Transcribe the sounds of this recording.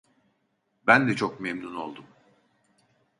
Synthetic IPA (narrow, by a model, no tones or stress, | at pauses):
bænd̪ɛt͡ʃʰo̞kmemnuno̞lˠd̪um